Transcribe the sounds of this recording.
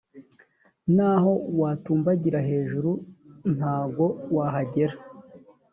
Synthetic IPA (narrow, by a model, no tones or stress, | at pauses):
naːho̞waːtuːmbaɟiɾaɦe̞ːʒuɾun̥haːɡo̞waɦaɟe̞ɾa